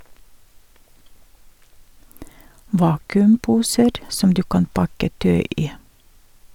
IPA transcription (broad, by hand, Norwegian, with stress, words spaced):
ˈʋɑːkʉmˌpuːsəɾ ˈsɔm ˈdʉː ˈkɑn ˈpɑkə ˈtœʏ ˈiː